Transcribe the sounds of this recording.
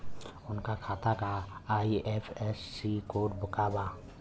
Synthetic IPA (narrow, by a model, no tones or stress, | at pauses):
ʊnkakʰaːt̪akaaːiʔɛpʰɛsːikoːʈ̚bʊkaːbaː